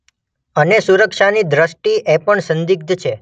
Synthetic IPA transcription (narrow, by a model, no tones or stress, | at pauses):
ənesuɾəkʃanid̪ɾəsʈiʔepəɳsənd̪iɡ̚d̪t͡ʃʰe